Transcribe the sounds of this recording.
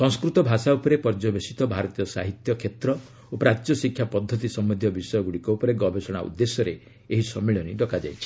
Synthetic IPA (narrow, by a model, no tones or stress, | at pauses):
sɔŋskɾut̪ɔbʱasaupɔɾepɔɾd͡ʒɔbesit̪ɔbʱaɾɔt̪ijɔsaɦit̪jɔkʰet̪ɾɔ | opɾajɔsikʰjapɔd̪ʱːɔt̪isɔmɔd̪ʱjɔbisɔjɔɡuɽikɔupɔɾeɡɔbʱesɔɽ̃a̰ṵd̪ːesɔɾe | eɦisɔmːeɭɔniɖɔkad͡ʒa̰jt͡ʃʰi̥